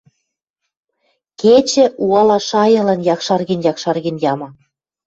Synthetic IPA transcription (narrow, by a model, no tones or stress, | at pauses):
ket͡ɕĕʔuɑlɑʃɑjɤ̆lɑnjɑkʃɑrɣinjɑkʃɑrɣinjɑmɑ